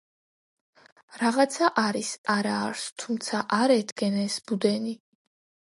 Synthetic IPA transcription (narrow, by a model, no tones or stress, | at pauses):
ɾaʁat̪sʰaʔaɾisaɾaːɾst̪ʰumt̪sʰaʔaɾɛt̪ɡɛnɛsbud̪ɛni